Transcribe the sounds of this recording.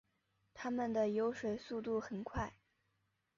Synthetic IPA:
t̪ʰa˥mə˨nd̪ə˩jo˧˥ʊʂwe˨˩ɪsu˥˧t̪̬u˥˩xə˨˩nkʰwa˥˩ɪ

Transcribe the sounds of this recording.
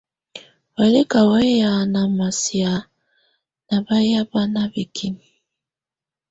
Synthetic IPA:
wa˨˦le˦ka˨wa˦ja˨na˨ma˨si˨a˨ | na˨ba˦ja˦ba˦na˦bi˨kʰi˦n˨

